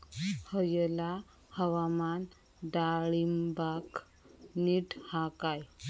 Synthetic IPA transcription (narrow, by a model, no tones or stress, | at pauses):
həjəla | həʋaman | d̪aɭimbak | niʈhakaj